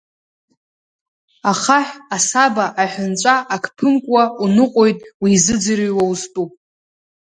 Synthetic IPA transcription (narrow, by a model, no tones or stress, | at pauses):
aχaħasabaʔaħʷᶣʊnt͡ʃʷʼaʔakʰpʰɨnkʷʼwaunɨqʼojtʼwiːzɨd͡zɨɾɨjwawuztʼu